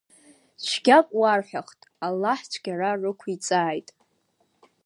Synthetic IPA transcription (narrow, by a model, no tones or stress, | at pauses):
t͡ʃʷʰɡʲakʷʼwarħʷᶣaχtʼalːaħt͡ʃʷʰɡʲararɨkʷʰit͡sʼaːjtʼ